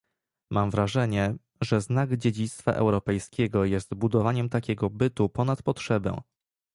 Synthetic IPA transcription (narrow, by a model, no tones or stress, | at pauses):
mʔamvɾaʐɛɲɛ | ʐɛznaɡd͡ʑed͡ʑit̪st̪fa̰ʔɛ̰wɾɔpɛjskʲɛɡɔjɛst̪bud̪ɔvaɲɛmt̪akʲɛɡɔbɘt̪upɔn̪at̪pɔtʂɛbɛ̰̃